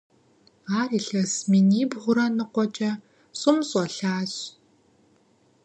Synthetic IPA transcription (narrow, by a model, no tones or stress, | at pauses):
aːriɬɐsminiːbʁʷʊɾɐnɨqʷɔt͡ʃʼɐ | sʼʊmsʼɔɬaːɕ